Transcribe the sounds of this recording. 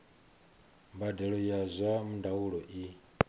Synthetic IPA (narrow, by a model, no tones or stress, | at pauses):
mbadɛɺɔjazʷamundawuɺɔʔi